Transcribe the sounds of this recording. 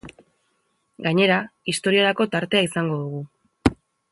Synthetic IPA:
ɡaɲe̞ɾaist̪o̞ɾieɾako̞t̪aɾt̪e̞aisaŋɡo̞ðuɣ̞u

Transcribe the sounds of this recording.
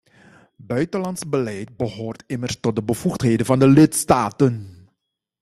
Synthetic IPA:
bœɥtəlɑntsbəlɛjt̚bəɦoːrtɪmərstɔt̚dəbəv̥uxtɦeːjdənvɑndəlɪtstaːtən

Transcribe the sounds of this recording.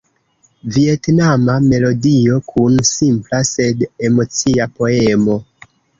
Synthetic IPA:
vie̞tnamame̞lo̞dio̞kʰunsimplase̞de̞mo̞t͡siapo̞emo̞

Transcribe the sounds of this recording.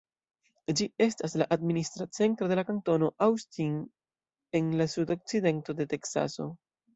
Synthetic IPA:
d͡ʒie̞staslaʔadministɾat͡se̞ntɾo̞de̞lakanto̞no̞ʔawstin | e̞nlasudo̞k̚t͡side̞nto̞de̞te̞ksa̰so̞̰

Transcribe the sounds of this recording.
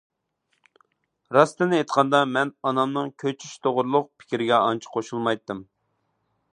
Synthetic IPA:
ɾɑst̪ɨnɪet̪qʰɑnd̪ɑmɛnɑnɑmnɨŋkʲʰøt͡ʃʰyʃt̪ʰoʁʊɾlˠʊq̚pʰɪ̥kʲiɾɪɡʲɛɑnt͡ʃʰɪ̥qʰoʃulˠmɑjt̪ːɨm

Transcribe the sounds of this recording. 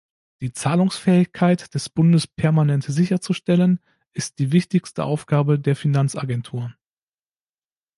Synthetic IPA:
d̥iːt͡saːlʊŋsfɛːɪçkʰaɪtd̥ɛsb̥ʊndəspʰɛɐmanɛntz̥ɪçɐt͡suʃtɛlən | ʔɪst̚d̥iːvɪçtɪçstəʔaʊfɡ̥aːbədeːɐfinant͡sa̰ɡɛntʰuːʁən

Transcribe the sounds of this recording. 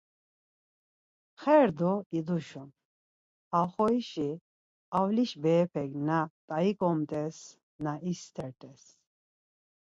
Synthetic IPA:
χɛɾd̪ɔid̪uʃun | aχɔiʃi | awliʃbɛːpʰɛɡnat̪ʼaikʼɔmt̪ʼɛs | naʔist̪ʰɛɾt̪ʼɛs

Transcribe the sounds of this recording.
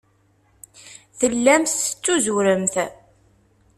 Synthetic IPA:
θəlːæmθə̥t͡sːuzuɾəmθ

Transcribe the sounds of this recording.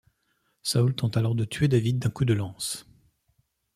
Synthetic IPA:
sault̪ɑ̃t̪alɔʁd̪ət̪ʰɥed̪avid̪ːɛ̃kud̪əlɑ̃s

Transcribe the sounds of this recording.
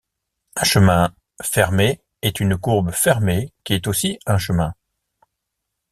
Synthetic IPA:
ɛ̃ʃəmɛ̃ | fɛʁme | ɛt̪ynkuʁbəfɛʁmekʲiɛt̪osiɛ̃ʃəmɛ̃

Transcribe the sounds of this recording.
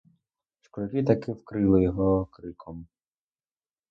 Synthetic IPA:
ʃkɔɾʲɐkɪt̪ɐkɪwkɾɪlˠɪjɔɦɔkɾɪkʰɔm

